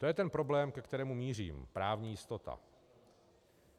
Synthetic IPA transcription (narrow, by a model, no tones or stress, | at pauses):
t̪o̞jɛt̪ɛnpɾo̞blɛːmkɛkt̪ɛɾɛːmumiːr̝ḭːmpɾaːvɲiːjɪst̪o̞t̪a̰